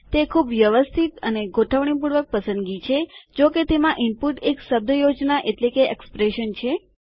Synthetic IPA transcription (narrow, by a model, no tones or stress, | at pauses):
t̪ekʰubʋjəʋəst̪ʰit̪əneɡʱoʈʰəʋɳ̃ip̬uɽʋək̚pəsə̃nd̪ɡit͡ʃʰed͡ʒoket̪emãʔɪmpuʈeksəb̚d̪ʱəjod͡ʒnaʔeʈlekeɛkspɾeʃənt͡ʃʰe